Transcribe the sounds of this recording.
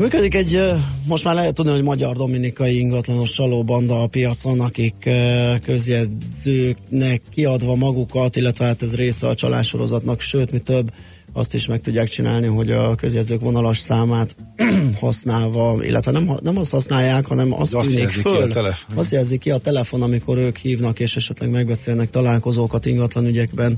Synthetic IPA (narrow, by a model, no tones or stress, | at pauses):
myːkød̪ikɛɟmo̞ʃt̪maːrlɛɦɛt̪ːud̪niɦo̞ɟmɒɟɒrd̪o̞minikɒjiiŋɡɒt̪lɒno̞ʃt͡ʃɒloːbɒnd̪ɒːpijɒt̪so̞nɒkikkːø̞zjɛzøːknɛkːiɒd̪ʋɒmɒɡukɒt̪ilːɛt̪ʋɛɦaːt̪ɛzreːsɛɒt͡ʃɒ̰lʔa̰ːt̪ʃo̞ɾo̞̰zɒt̪nɒkʃøːt̪mit̪øbː | ɒ̰st̪iʃmɛk̚t̪uɟːaːkt͡ʃina̰ːlniɦo̞ɟɒkø̞zjɛd̪zøːkʋo̞nɒloʃsaːmaːt̪hɒsnaːlvɒḭlʔɛ̰t̪ʋɛnɛm̰nɛmɒst̪hɒsnaːjːaːkhɒnɛmɒ̰st̪yːnikfføllɒst̪jɛlzikːiɒt̪ɛlɛfo̞nɒmiko̞ɾøːkhiːvnɒkeːʃɛʃɛt̪lɛɡmɛɡbɛseːlnɛk̚t̪ɒlaːlko̞zoːkɒt̪iŋɡɒt̪lɒnyɟɛɡbɛn